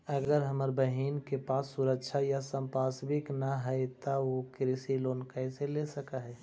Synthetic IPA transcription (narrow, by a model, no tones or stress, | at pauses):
əɡəɾɦəməɾbəɦiːnkepaːsːʊɾəkʃʰajasə̃mpaːsbɪknaɦɛet̪aokɾɪsiloːnkaɪselesəkaɦɛː